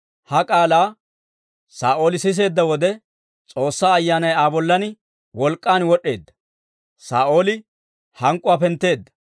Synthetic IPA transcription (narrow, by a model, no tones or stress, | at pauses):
hɐkʼaːlaː | saːʔo̞ːlɪsɪs̬e̞ːd̪ːɐwɔd̪ɛ | t͡sʼo̞ːsːaːɐjːaːnɐjaːbɔlːɐnɪ | wɔlkʼːaːnwɔɗːe̞ːd̪ːɐ̥ | saːʔo̞ːlɪ | hɐŋkʼːʊapɛnt̪ːe̞ːd̪ːɐ̥